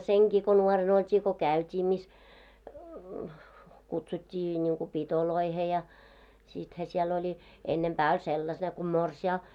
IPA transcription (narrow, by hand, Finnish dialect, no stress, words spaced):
seŋkiː ko nuoren oltʲiː ko kæˑytʲiː mis kutsutʲːiː nʲiŋku pitoloihe jɑ sithæ siɛl olʲi enːempæː olʲ selːɑs ne ku morsiɑː